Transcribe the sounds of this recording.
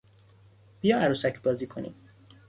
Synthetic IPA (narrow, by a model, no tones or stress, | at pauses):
b̥ijɒːæɾuːsæcʰbɒːziːkʰonḭd̪̥